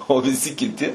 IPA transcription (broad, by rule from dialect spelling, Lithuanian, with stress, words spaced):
oː ʋʲɪˈsʲɪ kʲɪˈtʲɪ